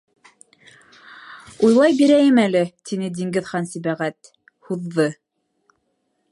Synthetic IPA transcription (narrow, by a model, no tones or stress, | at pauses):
ujlˠɑjbiɾæjɘmælɘt̪inɘd̪iŋɡɘ̆ðχɑnsiβæʁæt̪ | huðːɤ